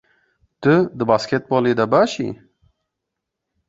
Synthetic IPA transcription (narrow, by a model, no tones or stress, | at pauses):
t̪əd̪əbɑsket̪̚bɑːled̪abɑʃḭ